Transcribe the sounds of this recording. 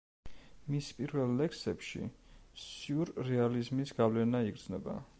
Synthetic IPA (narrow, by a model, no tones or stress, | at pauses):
mispʼiɾvɛlˠːɛksɛpʃḭsuɾːɛalizmisɡ̥avlɛnaiɡɾd̪znɛba̰